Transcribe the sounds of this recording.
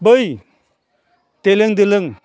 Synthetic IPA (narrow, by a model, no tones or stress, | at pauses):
bəj | teleŋdɯlɯŋ